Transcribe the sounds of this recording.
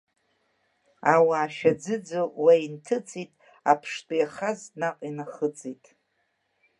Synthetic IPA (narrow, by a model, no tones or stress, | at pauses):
awaːʃᶣad͡zɨd͡zowaintʰɨt͡sʼitʼ | apʰʂtʼojaχaznaqʼinaχət͡sʼitʼ